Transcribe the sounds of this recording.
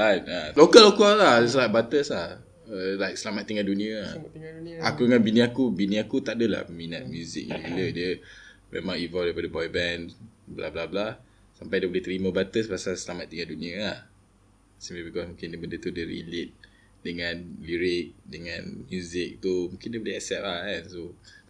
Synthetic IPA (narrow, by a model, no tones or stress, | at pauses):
atalokəlokəladɛslajk̚bat̪əslah | laɪjk̚səlamat̪̚t̪ːĩŋaduniəa̰ʔa̰kudəŋãnbinĩakubinĩakut̪aʔ̚dəla̰hminə̰t̪̚mjuzɪ̰k̚iiilədə | mʔɛ̰̃mãŋivɔldəfɔdəbɔjbɛnbla̰blabla | sampajdəbleht̪ɾiməbat̪əsbasasəlamat̪̚ːiŋãnduniəa | sĩmplibikɔsmũkɪ̃ndəbəndət̪udəɾḭlit̪̚ | dəŋãnliɹɪk̚dəŋãnmjuzɪk̚t̪umũkɪndəbolehɛsɛt̚ahɛ̃nso